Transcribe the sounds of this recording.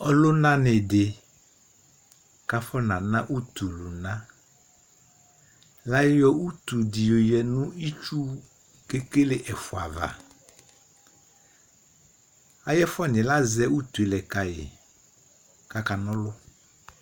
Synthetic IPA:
ɔ˦lʊ˦nã˦nɪ˨dɪ˨ | ka˨fɔ˦nã˨nã˦ʔu˦t̪u˨lʊ˨nã˦ | la˦jɔ˦u˦t̪u˨di˨jo˨jɛ˨nʊ̃˦i˦t͡ʃu˦ | ke˦ke˦lɪ˦ʔɛ˨fʊ˨a̰˨va̰˨ | a˦jɛ˦fɔ˦˨nɪ̃˨la˦zɛ˦u˦t̪u˨e˨lɛ˨ka˨jɪ̰˨ | ka˦ka˨nɔ̃˦lʊ˦

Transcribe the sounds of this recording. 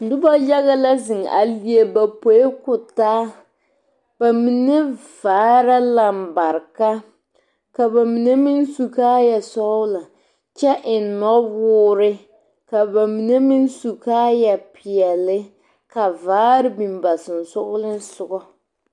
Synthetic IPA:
dʊ˦ba˦ja˦ɣa˦la˦zɪ˨ŋa̰˨li˦e˦ba˨po˨je˦kʊ˨taː˦ | ba˨mi˨ne˦vaː˨˦ɾa˦la˨m̩˨ba˨ɾka˦ | ka˨ba˨mi˨ne˦mi˦n˦su˨kaː˦ja˨sɔ˦ʊ˦la˨ | t͡ʃɛ˦ʔɪ˨nnɔ˦wʊː˦ɾɪ˦ | ka˨ba˨mi˨ne˦mi˦nsu˨kaː˦ja˨pʰɪ˨ɛ˨lɪ˦ | ka˨vaː˨˦ɾɪ˦bi˨mba˨sɪ˨n̩˨sʊ˦ɣʊ˦lɪ˦n˦sʊ˨ɡɔ˦

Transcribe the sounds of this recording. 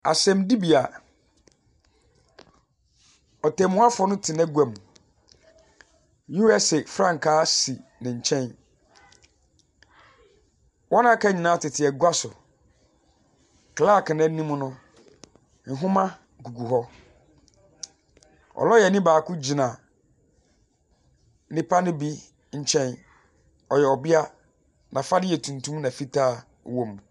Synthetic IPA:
a̰˨sɛ̃˨mdi˦bi˨a˨ | ɔ˨tɛ̃˨mʊ̃˦a˦fɔ˦nʊ̃˦tʰɪ˨nɛ̃˦ɡu˨ɛ˨m˨ | ju˦ɛ˦sɛ˨fɾã˦ŋ̩˨kʰaː˦si˨nɪ̃˨ɲ̩˨t͡ɕʰɛ̃˦n | wʔɔ˦nã˦kʰa˦ɲĩ˨nãː˨˦tʰɪ˨tʰɪ˨ɛ˨ɡwa˦sʊ˨ | kʰlaː˦˨kʰɪ˨nã˦nĩ˦mʊ̃˦nʊ̃˦ | n̩˦ɦʊ̃˦mã˦ | ɡu˨ɡu˨ɦɔ˦ | ɔ̰˨lɔ˦jɛ˨nĩ˦baː˨kʰʊ˦d͡ʑi˨nã˨ | nɪ̃˦pʰa˦nɪ̃˦bi˦ | ɲ̩˦t͡ɕʰɛ̃˦n | ɔ˨jɛ˨ɔ˨bɪ˦a˦ | nã˨fa˦dɪ˦ɛ˨tʰũ˨n˨tʰũ˦mnã˨fi˦tʰaː˦ | wõ˨m˨

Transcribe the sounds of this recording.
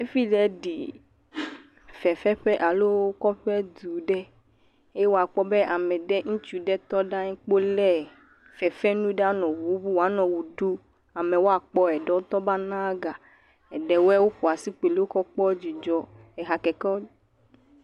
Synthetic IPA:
e˦fi˦lɛ˨ɖḭ˨ | fɛ˨fɛ˦ɸɛ˦ʔa˨lo˦o˦kɔ˦ɸɛ˦d̪u˨ɖɛ˦ | e˦wo˦a˨k͡pɔ˦bɛ˦ʔa˨mɛ˨ɖɛ˦ŋũ˦t͡ʃu˨ɖɛ˦t̪ɔ˦ɖa˦ɲɛ̃˦k͡po˦lɛ˦ | fɛ˨fɛ˦nũ˦ɖa˦nɔ̃˨bu˨˦bu˦wa˨˦nɔ̃˨wu˨ɖu˦ | a˨mɛ˨wo˦a˦k͡pɔ˦ɛ˨ɖɛ˦wo˦t̪ɔ˦ba˦nã˦ɡa˨ | ɛ˨ɖɛ˨wɛ˦wo˦ɸu˨a˨si˦k͡pe˨le˦wo˦kɔ˦k͡pɔ˦d͡ʒi˨d͡ʒɔ˨ | ɛ˨ɦa˨kɛ˨kɔ˦

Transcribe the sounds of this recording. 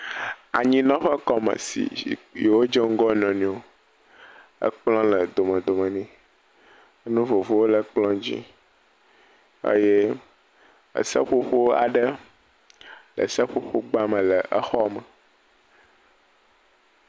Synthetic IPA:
a̰˨ɲĩ˦nɔ̃˦ɸə˦kɔ˦mə̰̃˨sḭ˨je˨wo˦d͡ʒe˦ŋ̩˦ɡɔ˦nɔ̃˨nĩ˨wo˦ | ə̰˦k͡plɔ̃˦lə˨d̪o˨mə̃˨d̪o˨mə̃˨nĩ˦ | nũ˦vo˨vo˦wo˦lə˦k͡plɔ̃˦d͡ʑḭ˦ | ə̰˦je˦ | ə̰˨sə̰˦ɸo˦ɸo˦a̰˨ɖə˦ | lə̰˨sə˦ɸo˦ɸo˦ɡ͡ba˦mə̃˨lə˨ʔə˦xɔ˦mə˨

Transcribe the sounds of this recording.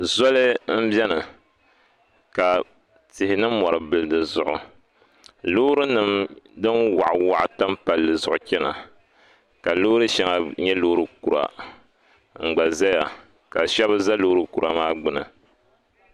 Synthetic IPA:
zɔ˦lɨ˦m̩˦bjɛ˦nɨ˨ | ka˨ | tɪ˨hɪ˨nɨ˦mɔ˨ɾɨ˨bɨ˨lɨ˨dɨ˨zʊ˦ʔʊ˨ | loː˦ɾɨ˦nɨ˦mdɨ˦nwa̰˨ʔwa˦ʔta˦mpa˨lːɨ˨zʊ˨ʔʊ˨kɛ˦na̰˨ | ka˨lo˦ɾɨ˦ʃɛ˦ŋa˨ɲɛ˦lo˦ɾɨ˨ku˨ɾa̰˨ | ŋ͡m̩˨ɡ͡ba˨za˦ja˨ | ka˨ʃɛ˦bɨ˦za˦lo˦ɾɨ˦ku˨ɾa˨maː˦ɡ͡bɨ˨nɨ̰˨

